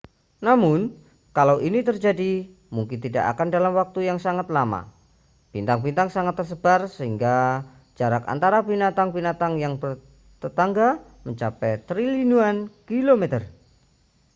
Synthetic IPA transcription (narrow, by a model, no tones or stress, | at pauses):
namʊn | kalawʔinit̪ərd͡ʒadi | muŋkɪnt̪ida̰ʔa̰kandalamwak̚t̪ujaŋsaŋat̪lama̰ | b̥int̪aŋbint̪aŋsaŋat̪ːərsəb̥arsəɦiŋɡa | d͡ʒ̥aɾaka̰nt̪aɾabinat̪aŋbinat̪aŋjaŋbər | t̪ət̪aŋɡa | məɲt͡ʃapɛt̪ɾilinuankilomet̪ər